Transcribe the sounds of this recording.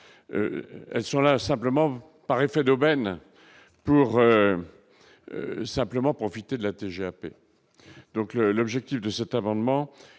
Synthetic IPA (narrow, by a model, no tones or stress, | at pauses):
ø̰ɛlsɔ̃lasɛ̃pləmɑ̃ | paʁefɛd̪obɛn | puʁø | sɛ̃pləmɑ̃pχɔfit̪ed̪əlat̪eʒeapḛ | d̪ɔ̃kləlɔbʒɛk̚t̪ifd̪əsɛt̪amɑ̃d̪mɑ̃